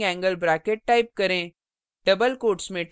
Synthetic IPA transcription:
ɛ̃ːŋɡəlbɾaːkeʈ̚ʈaːɪp̚kɐɾẽ | ɖɐbəlkoːʈsmẽʈ

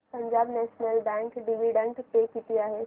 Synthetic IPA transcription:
pɐ̃ɲd͡ʒaːbnɛːʃnəlbɛ̃ːŋkɖiʋiɖə̃ɳʈpeːkit̪ijaɦɛ

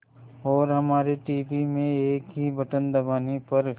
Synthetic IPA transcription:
ɔːɾɦɐmaːɾeʈiːbimẽeːkɦibɐʈənd̪ɐbaːnipɐɾ

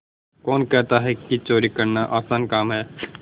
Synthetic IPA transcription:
kɔːnkɛɦt̪aɦɛkit͡ʃoːɾikɐɾnaʔaːsaːnkaːmɦɛː

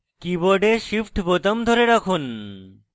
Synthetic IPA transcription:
kibɔɖeʃifʰʈbot̪amd̪ʱoɾeɾakʰun

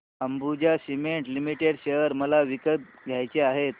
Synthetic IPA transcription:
əmbud͡ʑaɕimeɳʈlimiʈeɽɕejəɾməlaʋikət̚ | ɡʱjajt͡ɕeaɦet̪

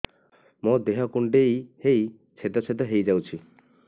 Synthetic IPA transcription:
mɔd̪eɦɔkuɳʈejhej | t͡ʃʰet̪ɔt͡ɕʰet̪̬ɔɦejd͡ʒawt͡ʃʰi

